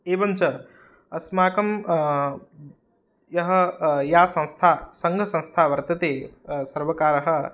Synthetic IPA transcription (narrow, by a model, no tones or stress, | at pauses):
eːʋɐnt͡ʃɐ | ɐsmaːkɐm | jɐɦɐ̆jaːsɐ̃ñst̪ʰaːsɐŋɡʱɐsɐ̃ñst̪ʰaːʋɐɾt̪ɐt̪eːsɐɾʋɐkaːɾɐɦɐ̆